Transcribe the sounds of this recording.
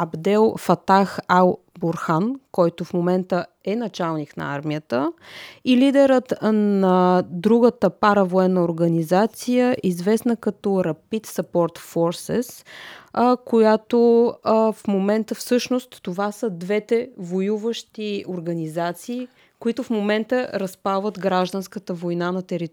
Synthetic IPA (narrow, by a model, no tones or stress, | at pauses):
ɐbd̪ɛlˠfɐt̪axalˠ | boɾxankɔjt̪ofmomɛnt̪ə | ɛnɐt͡ʃalˠniknɐ̰a̰ɾmiət̪əilid̪ɛɾət̪nɐd̪ɾuɡət̪əpaɾəvoɛnːəoɾɡɐnizat̪sijəʔizvɛsnəkɐt̪ɔɾɐpit̪sɐpɔɾt̪fɔɾsɛ̰s | kojat̪o | fmomɛnt̪əfsɤʃnost̪ːovasəd̪vɛt̪ɛvojuvəʃt̪ioɾɡɐnizat̪siː | koit̪ʊfmomɛnt̪əɾɐspalˠvət̪ɡɾaʒd̪ənskət̪əvojnanɐt̪ɛɾit̪